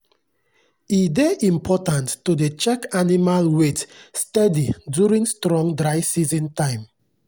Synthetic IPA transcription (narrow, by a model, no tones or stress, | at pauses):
ideʔĩmpʰɔtãntːudet͡ʃɛkanimalwetstɛdidjuɹĩŋstɹɔ̃ŋdɹaɪsizĩntãɪ̃m